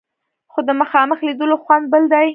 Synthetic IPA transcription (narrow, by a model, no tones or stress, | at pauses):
xod̪əməxɑməxlid̪əloxwand̪̚bəld̪aj